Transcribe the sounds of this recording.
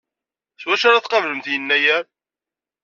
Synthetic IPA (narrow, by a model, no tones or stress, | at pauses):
swæʃaɾaθqɑvləmθjənːæjæɾ